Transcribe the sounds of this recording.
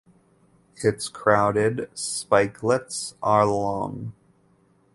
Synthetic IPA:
ɪtskʰɹ̥aʊɾɪdspaɪkʰlətsə˞lɔ̰̃ŋ

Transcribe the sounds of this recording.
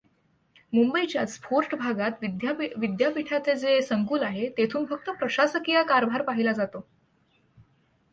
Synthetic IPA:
mumbəit͡ɕjaspoɾʈbʱaɡat̪ʋd̪jʋid̪japiʈʰat͡sed͡zesəŋkuːlaɦet̪et̪ʰuːnfək̚t̪əpɾəɕasəkijakaɾbʱaɾpaɦilad͡zat̪o

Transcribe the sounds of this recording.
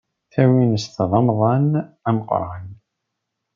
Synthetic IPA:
θæwinəsθðˤɑmðˤɑnæməqɾˤɑn

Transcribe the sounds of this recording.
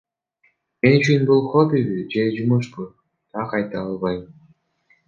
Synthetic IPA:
me̞nyt͡ʃʰynbulˠχobiβid͡ʒe̞d͡ʒumuʃpu | t̪ʰɑqɑjt̪ɑːlˠβɑjm

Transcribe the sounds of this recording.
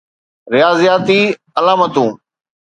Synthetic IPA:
ɾɪjaːzjaːt̪iː | ɐlaːmət̪ũː

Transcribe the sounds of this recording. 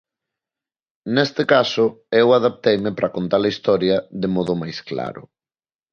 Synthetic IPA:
nest̪ɪkasʊewaðap̚t̪ejmɪpɾʔɐkont̪alɐist̪ɔɾjɐðemɔðʊmajskla̰ɾʊ̰

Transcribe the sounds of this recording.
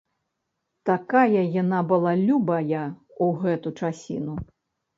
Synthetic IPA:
t̪akajɐjanabɨlˠalʲubɐjɐ | uɣɛt̪ut͡ʂasʲḭnu

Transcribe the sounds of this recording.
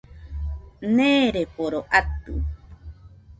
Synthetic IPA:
neːɾepoɾoʔat̪ṵ

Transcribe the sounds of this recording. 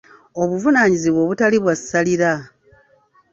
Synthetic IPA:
o̞βuvunaːɲiziβwo̞ːβutaliβwassaliɾa

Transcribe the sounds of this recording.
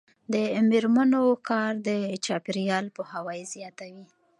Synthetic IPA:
d̪əmeɾmanokɑɾd̪ət͡ʃɑpiɾjɑlpəhawɑjizjɑt̪awi

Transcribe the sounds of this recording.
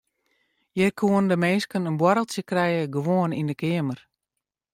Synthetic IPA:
jɛkʰuəndəmenskənənbwɔɾəlˠsjəkrɛjəɡəʋoənindəkʰɪəmər

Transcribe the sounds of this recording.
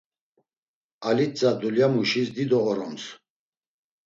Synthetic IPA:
alit͡sʼad̪uljamuʃisd̪id̪ɔɔɾɔms

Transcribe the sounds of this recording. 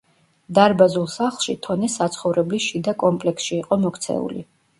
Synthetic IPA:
d̪aɾbazulˠsaχlˠʃit̪ʰɔnɛsat̪sʰχɔvɾɛbliʃid̪akʼɔmpʼlɛksʃiːqʼɔmɔkʰt̪sʰɛ̰ṵlḭ

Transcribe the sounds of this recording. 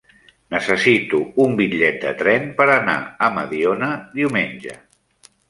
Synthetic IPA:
nəsəsit̪uumbiʎɛt̪̚d̪ə̰t̪ɾɛnpəɾəna̰əmə̰ðionəðiwmenʲʒə̰

